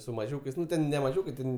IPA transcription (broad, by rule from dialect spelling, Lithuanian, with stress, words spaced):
sʊ mɐˈʒʲuːkɐɪs ˈnʊ ˈtʲɛn nʲɛ mɐˈʒʲuːkɐɪ ˈtʲɛn